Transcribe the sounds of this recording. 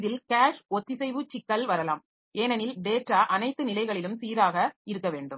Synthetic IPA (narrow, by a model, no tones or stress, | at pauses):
ðɪlkaːʂɔt̪ːɪsɛɪʋɯt͡ʃɪkːɐlʋɐɾɐla̰ːm | ʔeːnɐnɪlɖeːʈɾaːʔɐnɐɪt̪ːɯnɪlɐɪɣɐɭɪlɯmsiːɾaːɣɐɪɾɯk̬ːɐʋeːɳɖɯm